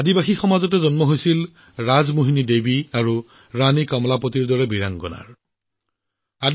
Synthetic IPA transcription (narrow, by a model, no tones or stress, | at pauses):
adibaxixɔmazɔtɛzɔnmɔɦojsil | ɹazmoɦinidebiaɹu | ɹanikamɔlapotiɹdɔɹɛbiɹaŋɡɔ̰na̰ɹ | ad